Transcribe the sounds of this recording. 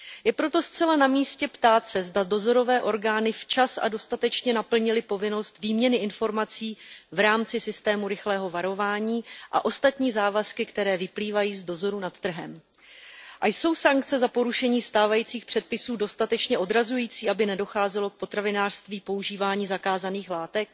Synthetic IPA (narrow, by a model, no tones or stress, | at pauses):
jɛpɾo̞t̪o̞st͡sɛlanamiːscɛpt̪aːt̪sɛzdado̞zo̞ɾo̞vɛːʔo̞ɾɡaːnɪft͡ʃasʔa̰do̞st̪at̪ɛt͡ʃɲɛnapl̩ɲɪlɪpo̞vɪno̞st̪viːmɲɛnɪɪnfo̞ɾmat͡siːvɾaːmt͡sɪsɪst̪ɛːmuɾɪxlɛːɦo̞vaɾo̞vaːɲiːʔa̰ʔo̞st̪at̪ɲiːzaːvaskɪkt̪ɛɾɛːvɪpliːvajiːzdo̞zo̞ɾunat̪t̪r̩ɦɛ̰m | ʔajso̞wsaŋk̚t͡sɛzapo̞ɾuʃɛɲiːst̪aːvajiːt͡siːxpr̥ɛt̪̚pɪsuːdo̞st̪at̪ɛt͡ʃɲɛʔo̞dɾazujiːt͡siːabɪnɛdo̞xaːzɛlo̞k̚po̞t̪ɾavɪnaːr̥st̪viːpo̞uʒiːvaːɲiːzakaːzaniːxlaːt̪ɛk̚